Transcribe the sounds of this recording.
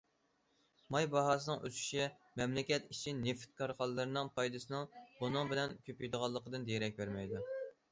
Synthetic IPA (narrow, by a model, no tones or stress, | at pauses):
mɑjbɑɦɑːs̬ɨnɨŋʔøsʰy̥ʃimɛmlɪkʲɛt̪it͡ʃʰineft̪̚kʰɑɾqɑlˠːɨɾɨnɨŋpʰɑjd̪ɨsɨnɨŋbunɨŋbɪlɛnkʲʰøpjd̪əʁɑlˠːəqəd̪ɨnd̪ejɾɛk̚ʲbæɾmɛjd̪u